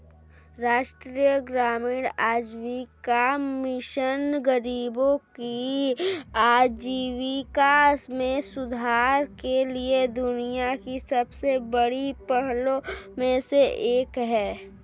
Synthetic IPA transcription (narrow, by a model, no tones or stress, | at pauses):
ɾaːʃʈɾijəɡɾaːmiːɽaːd͡ʒwikamɪʃənɡəɾiːbõki | aːd͡ʒiːwikasmẽsʊd̪ʱaːɾkelied̪ʊnijakisɐbsebəɽipəɦlõmẽseeːkɦɛː